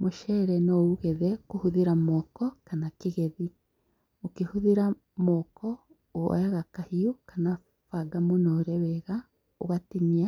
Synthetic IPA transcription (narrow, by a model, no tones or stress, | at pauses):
moʃɛɾɛnɔuɣɛðɛkohuðeɾamɔkɔkanakeɣɛði | okehuðiɾa | mɔkɔ | o̰ɛɣakahiokana | faɡamonɔɾɛwɛɣa | oɣatinia